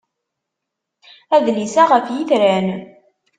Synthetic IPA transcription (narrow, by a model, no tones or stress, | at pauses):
æðlisæʁəfjiθɾæn